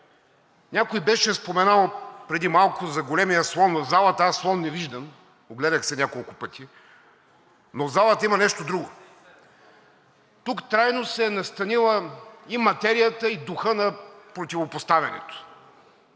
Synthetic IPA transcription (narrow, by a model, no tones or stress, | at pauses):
nʲakoibɛʃɛspomɛnalˠpɾɛd̪imalˠkʊzɐɡolɛmijəslˠɔnːzalˠət̪aslˠɔnːɛviʒd̪ɐn | oɡlɛd̪ɐxsɛnʲakolˠkʊpɤt̪ʲi | nozalˠət̪imɐnɛʃt̪od̪ɾuɡʊ | t̪ukt̪ɾajnosɛːnɐst̪ɐnilˠəimɐt̪ɛɾijət̪əid̪ʊxɤnɐpɾot̪ʲivopost̪avʲɛnɛ̰t̪ʊ̥